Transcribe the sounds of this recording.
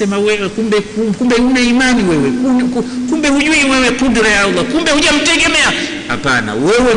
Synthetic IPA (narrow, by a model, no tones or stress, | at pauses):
ɛmawɛkumbɛkukumbɛunɛimaniwɛwɛkukkumbɛhuʄuiwɛwɛkudiɾɛjaulakumbɛhuʄam̩tɛɡɛmɛa | ha̰pa̰na̰wɛwɛ